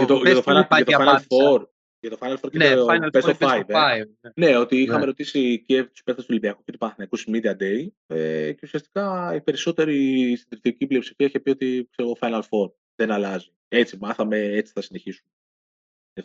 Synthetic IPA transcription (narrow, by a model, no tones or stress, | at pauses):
ʝɐt̪oɐt̪ofɐɐt̪fajnɐfoɾ | ʝɐt̪ofɐjnɐlfo̞ɾkepesofajv | ne̞o̞t̪iixɐme̞ɾo̞t̪isicet̪u̥speθt̪ɐst̪olimbiɐkucet̪upɐnɐθinɐkusmid̪iɐd̪e̞jece̞usiɐst̪i̥kɐipe̞ɾiso̞t̪e̞ɾisind̪ɾit̪iiciplio̞psi̥fiɐiçe̞pio̞t̪ikseɾoɣofɐjnɐlfo̞ɾ | ðenɐlɐzi | e̞t͡simɐθɐme̞et͡si̥θɐsine̞çisune | e